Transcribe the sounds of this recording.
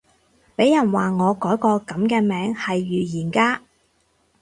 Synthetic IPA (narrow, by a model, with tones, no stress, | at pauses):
pe˨˥jjɐ˨˩nwaː˨˩ŋɔː˨˧kɔː˨˥jkɔː˧kɐ˨˥mkɛː˧mɛː˨˥ŋhɐ˨jːyː˨jiː˨˩nkaː˧